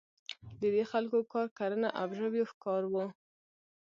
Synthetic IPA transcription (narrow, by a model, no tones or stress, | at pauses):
d̪əd̪exalkokɑɾkaɾənaʔabʒəwjofkɑɾwu